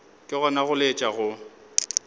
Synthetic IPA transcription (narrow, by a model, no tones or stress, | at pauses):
kʼɪɣɔnaɣʊlet͡ʃʼaɣʊ